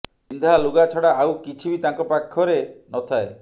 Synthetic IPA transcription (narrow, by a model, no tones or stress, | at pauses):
ind̪ʱaluɡat͡ʃʰɔɽaawkit͡ʃʰibit̪aŋkɔpakʰːɔɾenɔt̪ʰae